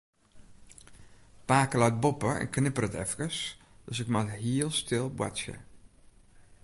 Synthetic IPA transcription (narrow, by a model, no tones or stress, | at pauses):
paːkəlaɥt̚bopəɛ̰nknɪpərətɛ̰fkəs | d̥øsɪk̚mathiəlˠstʰɪlˠbwa̰sjə̰